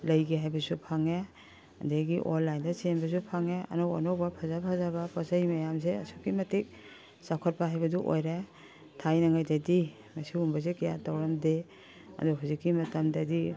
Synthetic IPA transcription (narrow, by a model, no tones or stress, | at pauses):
lɐjɡeɦajbɐsupʰaŋe | ɐ̰ndeɡiʔonlajndɐsenbɐsupʰaŋeɐ̰nowa̰nowbɐpʰazapʰazabɐpasɐjmɐjams̬eɐ̰sokimɐtik̚ | sakʰɔt̚paɦajbɐduʔo̰jɾe | tʰajnɐŋajdadi | mɐsiumbɐs̬ekija̰tawɾɐmde | ɐ̰duɦuzikːimɐtɐmdɐdi